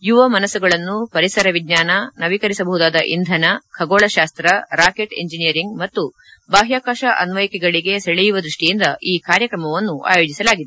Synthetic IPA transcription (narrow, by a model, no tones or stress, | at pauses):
juʋɐmɐnɐsuɡɐɭɐnːupɐɾisɐɾɐʋiɡɲaːnɐnɐʋikɐɾisɐbɐɦud̪aːd̪ɐʔḭnd̪ʱɐnɐkʰɐɡoːɭɐʃaːst̪ɾɐɾaːke̞ʈḛɲd͡ʒinijɐɾiŋɡmɐt̪ːu | baːɦjaːkaːʃɐʔɐ̰nʋɐjikɛɡɐɭiɡe̞sɐɭɛjuʋɐd̪ɾuʂʈijind̪ɐʔiːkaːɾjɐkɾɐmɐʋɐnːuʔa̰ːjoːd͡ʒisɐlaːɡid̪e